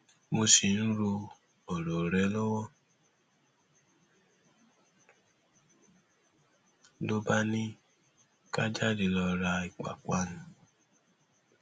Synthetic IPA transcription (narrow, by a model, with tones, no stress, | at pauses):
mo˧si˨n̩˦ɾo˧ | ɔ˨ɾo˨ɾɛ˨˦lo˦wɔ˦ | lo˦ba˦nĩ˦ | ka˦d͡ʒa˦di˧lɔ˧ɾa˧i˨k͡pa̰˨kʷa˦nũ˨˦